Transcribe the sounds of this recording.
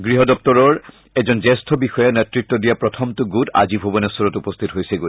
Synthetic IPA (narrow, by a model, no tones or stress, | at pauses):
ɡɹiɦɔdɔp̚tɔɹɔɹ | ɛzɔnzɛstʰɔbixɔjanɛtɹitːɔdijapɹɔtʰɔmtuɡuta̰zibʱobɔnɛsɔɹɔtupɔst̪ʰitɔɦojsɛɡu